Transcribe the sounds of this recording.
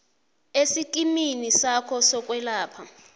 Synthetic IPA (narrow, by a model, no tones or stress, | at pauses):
esikʼiminisakʰɔsɔk̬ʼwɛlaːpʰa